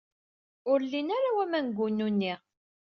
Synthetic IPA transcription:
ʊɾlːinaɾawæmænɡʷunːunːi

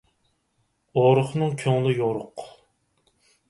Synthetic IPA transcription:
oɾʊχnɨŋkʲʰøŋlɪjoɾʊq

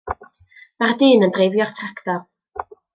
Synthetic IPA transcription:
mardɨːnəndrejvjɔrtʰraktɔr

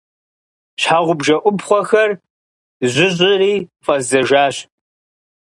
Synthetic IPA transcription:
ɕħaːʁʷʊbʒɐʔʷʊbχʷɔxɐr | zʷʊʑʼɪriːfɐzɐʒaːɕ

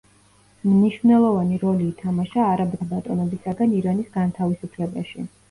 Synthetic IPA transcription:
mniʃvnɛlˠɔvaniɾɔliːt̪ʰamaʃaːɾabbat̪ʼɔnɛbisaɡaniɾanisɡant̪ʰavisupʰlɛba̰ʃi

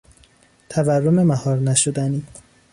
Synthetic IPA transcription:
t̪ʰæværːomemæhɒːɾnæʃod̪æniː

